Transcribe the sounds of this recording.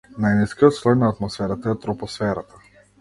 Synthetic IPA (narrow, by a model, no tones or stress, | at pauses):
najniskijɔt̪slˠɔjnaːt̪mɔsfɛɾat̪aɛt̪ɾɔpɔsfɛɾat̪ḁ